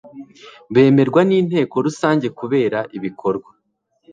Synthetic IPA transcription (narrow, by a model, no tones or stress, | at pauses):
βe̞ːme̞ɾɡwaniːn̥he̞ːko̞ɾusaːɲɟe̞kuβe̞ːɾaʔiβikʰo̞ɾɡwa